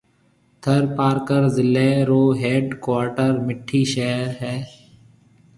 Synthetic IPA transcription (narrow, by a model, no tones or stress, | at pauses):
t̪ʰəɾpaːɾkəɾzɪlːeːɾoːɦeːɖkwaːɾʈəɾmɪʈʰːiːʃɛːɾɦɛː